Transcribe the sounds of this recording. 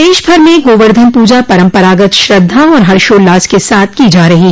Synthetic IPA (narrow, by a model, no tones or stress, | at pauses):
d̪eːʃbʱɐɾmẽɡoːʋəɾd̪ʱənpuːd͡ʒapɐɾə̃mpəɾaːɡət̪ʃɾɐd̪ʱːaɔːɾɦɐɾʃoːlːaːskesaːt̪ʰkiːd͡ʒaːɾɐɦi